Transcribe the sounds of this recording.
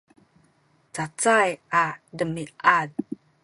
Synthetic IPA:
t͡sat͡sajʔadəmiʔad̚

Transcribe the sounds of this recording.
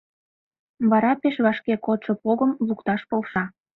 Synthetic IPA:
βɑɾɑpeʃβɑʃkekot̪ʃɤpoɣəmlukt̪ɑʃpolʃɑ

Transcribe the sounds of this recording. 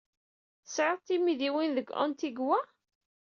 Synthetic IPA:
θsʕəðˤt̪ːimiðiwinðəɡʷɔ̰nt̪iɡwæ

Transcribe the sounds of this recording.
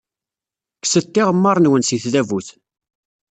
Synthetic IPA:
ksət̪ːiʁəmːəɾˤnwənsiθðævuθ

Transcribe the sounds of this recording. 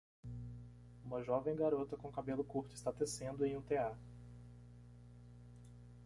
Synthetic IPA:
ũmɐʒɔvẽj̃ɡaɾot̪ɐkõkabelʊkuɾt̪ʊɪst̪at̪esẽnd̪ʊẽj̃ũt̪ea

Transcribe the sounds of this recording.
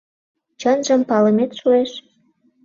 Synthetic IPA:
t͡ɕɤnʒə̆mpɑləmet̪ʃueʃ

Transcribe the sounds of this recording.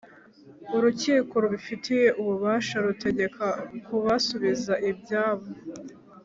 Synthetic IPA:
uɾuciːko̞ɾuβifitʰije̞ʔuβuβaːʃaɾute̞ɟe̞kʰakuβasoβizaʔibɟaːβo

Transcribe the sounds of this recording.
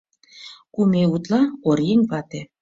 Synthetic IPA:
kumeut̪lɑorjeŋʲβɑt̪e

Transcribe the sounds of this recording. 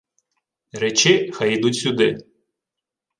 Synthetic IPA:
ɾɛt͡ʃɪxɐjid̪utʲsʲʊd̪ɪ

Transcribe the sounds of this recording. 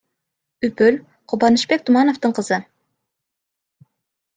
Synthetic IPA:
ypʰyl | qʰʊbɑnɨʃbɛk̚ʲt̪ʰumɑnoft̪ɨɴqʰəz̥ɨ

